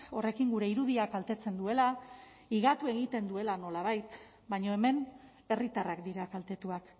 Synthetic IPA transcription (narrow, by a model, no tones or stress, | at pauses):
o̞re̞kiŋɡuɾe̞iɾuðiakalt̪e̞t͡se̞nd̪ue̞la | iɣat̪ue̞ɣit̪e̞nd̪ue̞lano̞laβ̞ajt̪ | baɲo̞e̞me̞n | e̞rit̪arakd̪iɾakalt̪e̞t̪uak